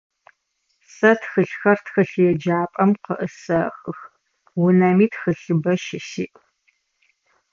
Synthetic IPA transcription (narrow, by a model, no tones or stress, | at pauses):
sɐtxɨɬxɐrtxɨɬjɛd͡ʒaːpʼɐmqəʔəsɐxʼɨx | wʊnɐmiːtʰxɨɬɨbɐʃɪʃiːʔʼ